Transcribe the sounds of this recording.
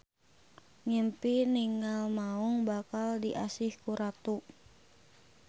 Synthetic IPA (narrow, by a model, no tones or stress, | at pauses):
ŋimpiniŋalmauŋbakaldiʔasɪhkuɾat̪u